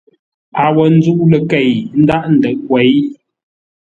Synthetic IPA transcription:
a˨wə˨n̩˦d͡zu˦ʔlə˨kɛ˨jn̩˦da˦ʔn̩˨də˨ʔkwɛ˨˦j

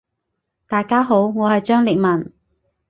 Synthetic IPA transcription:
t̪aː˨jkaː˥ɦo˨˥wŋɔː˨˧hɐ˨jt͡ʃœː˥ŋlɪ˨k̚mɐ˨˩n

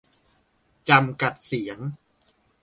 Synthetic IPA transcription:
t͡ɕa˧mka˨˩t̪̚si˩˦əŋ

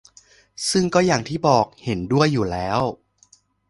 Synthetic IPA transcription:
sɯ˥˩ŋkɔː˥˩jaː˨˩ŋt̪ʰiː˥˩bɔː˨˩k̚he˩˦ndu˥˩əjːuː˨˩lɛː˦˥ww

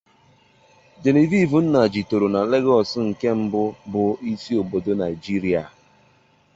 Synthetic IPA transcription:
d͡ʒe˨ni˨vi˦˨vu˨n̩˦na˨d͡ʒi˨to˨ɾo˨na˨le˦ɡɔ˨sɪ˦ŋ̩˨ke˦m̩˦bʊ˦bʊ˨i˦si˦o˨bo˨do˦na˨i˨d͡ʒi˦ɾi˦a̰˨

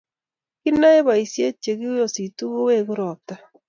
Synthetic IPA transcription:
ki˦na˦e˦βa˨i˨sje˦t͡ʃe˨ɣi˦jo˨si˨tu˦ɣo˦we˦˨ɣu˦ɾɔ˨ta˦

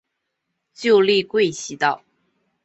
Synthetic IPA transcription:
t͡ɕjo˥˧ʊli˥˧kwe˥˩ɪɕi˧˥t̪ɑ˥˩ʊ

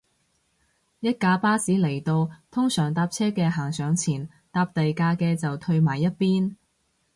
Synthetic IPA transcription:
jɐ˥t̚kaː˨˧˥paː˥siː˨˥le˨˩jt̪o˧wt̪ʰʊ˥ŋsœː˨˩ŋt̪aː˧p̚t͡sʰɛː˥kɛː˧ɦaː˨˩ŋsœː˨˧ŋt͡sʰiː˨˩n | t̪aː˧p̚t̪ɐ˨jkaː˧kɛː˧t͡sɐ˨wt̪ʰɵ˧ɥmaː˨˩jːɐ˥t̚piː˥n

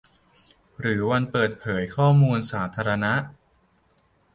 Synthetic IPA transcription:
ɾɯː˩˦wa˧npɤː˨˩t̪̚pʰɤː˩˦jkʰɔː˥˩muː˧nsaː˩˦t̪ʰaː˧ɾa˧na˦˥ʔ

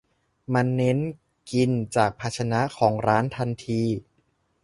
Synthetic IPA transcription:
ma˧nːe˦˥n | ki˧nt͡ɕaː˨˩k̚pʰa˧˥t̚t͡ɕʰa˧na˦˥kʰɔː˩˦ŋɾaː˦˥nt̪ʰa˧nt̪ʰiː˧

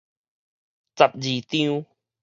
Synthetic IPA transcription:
t͡sa˨˩p̚d͡ʑi˨˩t̪ĩ˧˦u˦

